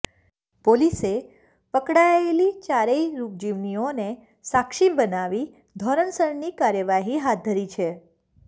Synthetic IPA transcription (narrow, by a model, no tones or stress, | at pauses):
polise | pəkɽaelit͡ʃaɾeiɾup̚d͡ʒiʋnione | sakʃibənaʋi | d̪ʱɔɾəɳsəɾnikaɾjəʋaɦiɦat̪̚d̪ʱəɾit͡ʃʰe